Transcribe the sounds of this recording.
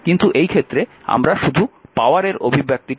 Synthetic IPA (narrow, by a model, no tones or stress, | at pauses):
kint̪uʔejkʰet̪ːɾea̰mɾaʃud̪ʱupaoaɾeɾo̰bʱibʱjak̚t̪ik